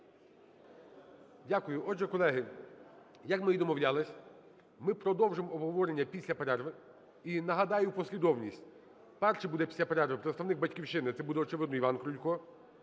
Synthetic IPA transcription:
dʲakʊjʊʔɔd͡ʒɛkɔlˠɛɦɪ | jɐkmɪjid̪ɔmɔʋlʲalˠɪsʲ | mɪpɾɔd̪ɔwʒɪmɔbɦɔʋɔɾenʲːɐpʲisʲlʲɐpɐɾɛrʋɪ | inɐɦɐd̪ɑjʊpɔsʲlʲid̪ɔwnʲisʲtʲ | pɛrʃɛbud̪ɛpʲi̥sʲlʲɐpɐɾɛrʋɪpɾet̪sɐwnɪɡ̚bɐtʲkʲiwʃɪnɪt̪sɛbud̪ɛɔt͡ʃɪʋɪd̪nɔiʋɑnkɾʊlʲkɔ

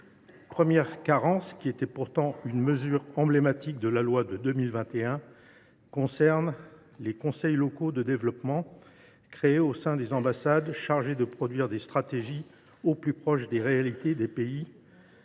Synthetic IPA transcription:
pχəmjɛʁkaʁɑ̃skʲiet̪ɛpuʁt̪ɑ̃ynməzyʁɑ̃blemat̪ik̚d̪əlalwad̪əd̪əmilvɛ̃t̪eɛ̃ | kɔ̃sɛʁn | lekɔ̃sɛjlɔkod̪əd̪evlɔpmɑ̃ | kχeːosɛ̃d̪ezɑ̃basad̪ʃaʁʒed̪əpχɔd̪ɥiʁd̪est̪χat̪eʒi | oplypχɔʃd̪eʁealit̪ed̪epei

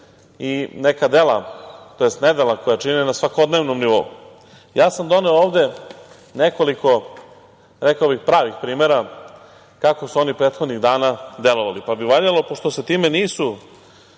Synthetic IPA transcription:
ine̞kad̪elat̪oje̞st̪ne̞d̪elˠakojat͡ʃinenasʋako̞d̪neʋnomniʋo̞ṵ | jaːsamd̪o̞neooːʋd̪e̞ | ne̞ko̞liko̞ | ɾekaobixpɾaːʋixpɾiːmeɾa | kakosuo̞nipɾe̞ːt̪xo̞d̪niɣd̪aːnad̪elˠo̞ʋalipabiʋaʎalo̞poʂt̪o̞set̪iːme̞niːsu

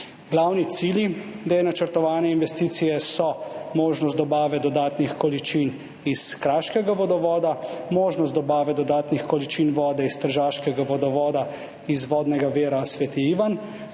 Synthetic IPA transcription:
ɡlawnit̪siːljid̪ejnat͡ʃəɾt̪ɔʋaːnɛinʋɛst̪iːt̪sijɛsɔmoːʒnɔst̪d̪ɔbaːʋɛd̪ɔd̪aːt̪nixkɔlit͡ʃin | iskɾaːʃkɛɡaʋɔd̪ɔʋɔːd̪amoːʒnɔst̪d̪ɔbaːʋɛd̪ɔd̪aːt̪nixkɔlit͡ʃinʋɔːd̪ɛist̪əɾʒaːʃkɛɡaʋɔd̪ɔʋɔːd̪a | izʋɔːd̪nɛɡaʋeːɾasʋɛt̪iiːʋan

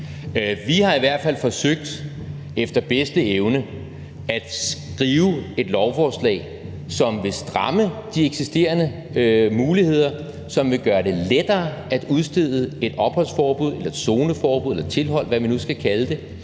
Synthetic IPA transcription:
ʋihɑ̈iʋæɐ̰d̥fæl̰fɒ̽søɡ̥̚d̥ | efd̥ɐb̥esd̥əeʊnə | æd̥sɡ̥ʁiːʊe̝d̥lɒʊfɒːslɛ̰ɪ | sɒ̽mʋe̝sd̥ʁɑ̈məd̥ieɡ̥sisd̥e̝̰ːɐnə | muːlihe̝ð̰ˠɐ | sɒ̽mʋe̝ɡ̥ɶːɐɾe̝led̥ɐːæd̥uðˠsd̥e̝ð̰ˠəe̝d̥ɒ̽b̥hɒ̽l̰sfɒːb̥uð̞ˠe̝lɐe̝d̥so̝ːnəfɒːb̥uðˠelɐ̥t͡sʰe̝lɦɒ̽l̰ʋæʋinusɡ̥ækʰæləd̥e̝

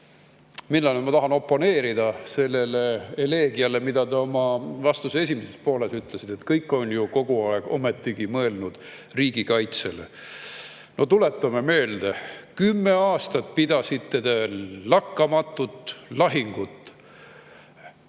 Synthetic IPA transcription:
minːɑlemɑt̪ɑɦɑno̞pːo̞ne̞ːɾid̪̥ɑse̞lːele̞ele̞ːɡiɑle̞mid̪̥ɑd̪eo̞mɑvɑst̪usee̞s̬ʲimese̞spo̞ːle̞syt̪ˑlesid̪̥et̪kɤjkːˑo̞njuko̞ɡ̥uɑeɡ̥o̞̰met̪ːiɡ̥imɤe̞lnud̪̥ | riːɡ̥ikɑjt̪se̞̰lḛ | no̞t̪ulet̪ːˑɑmeme̞ːld̪ekymːe̞ɑːst̪ɑt̪̚pid̪̥ɑsid̪t̪ed̪̥elɑkːɑmɑt̪ːˑut̪ːˑlɑɦiŋɡ̥ut̪ːˑ

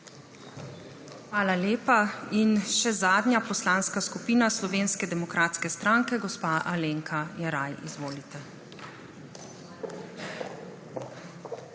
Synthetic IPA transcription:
xʋaːlaleːpainʃɛzaːd̪njapɔslaːnskaskupiːnaslɔʋeːnskɛd̪ɛmɔkɾʔaːt̪skɛst̪ɾaːŋkɛɡɔspaʔaleŋkʰajɛɾajḭzʋoːlit̪ɛ

